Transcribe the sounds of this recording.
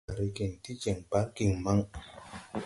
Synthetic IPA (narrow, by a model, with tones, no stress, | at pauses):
ɾi˧ke˨ŋti˦t͡ʃe˨ŋba˦ki˨ŋma˦ŋ